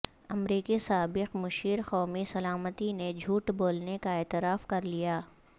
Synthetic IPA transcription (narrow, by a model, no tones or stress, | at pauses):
ɐmɾiːkisaːbɪqmʊʃiːɾxɔːmisɐlaːmət̪ined͡ʒʱuːʈboːlnekaɛːt̪ɪɾaːfkɐɾlijaː